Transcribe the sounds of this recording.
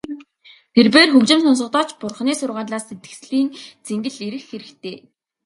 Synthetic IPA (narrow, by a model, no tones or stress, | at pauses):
t̪ʰerpeːrxɵkt͡ɕɪ̆msɔns̬ɞ̆qt̪ɔːt͡ɕpʊrχniːsʊrʁaːɮaːsːet̪ɡɘ̥̆ksɮiːnt͡seŋɡɘ̆ɮeɾɘ̆xːeɾɘ̆kt̪ʰeː